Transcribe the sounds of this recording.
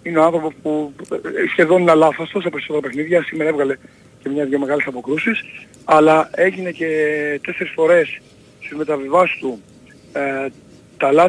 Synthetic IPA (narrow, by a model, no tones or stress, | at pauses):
ineoɐnθɾo̞pospu | sçe̞ðo̞nenɐlɐθɐst̪ost̪ɐpeiso̞t̪e̞ɾɐpe̞xniðʝɐsimeɾɐevɣɐle̞ | ce̞mɲɐʝomeɣɐlesɐpo̞kɾusis | ɐlɐe̞ʝine̞ce̞t̪e̞se̞ɾisfo̞ɾe̞s | st̪izme̞t̪ɐvivɐsi̥st̪u | t̪ɐlɐ